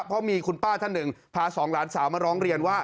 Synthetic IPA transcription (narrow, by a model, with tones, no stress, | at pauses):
pʰɔ˦˥miː˧kʰu˧npaː˥˩t̪ʰa˥˩nːɯ˨˩ŋpʰaː˧sɔː˩˦ŋlaː˩˦nsaː˩˦wmaː˧˩ɾɔː˦˥ŋɾi˧ənwaː˥˩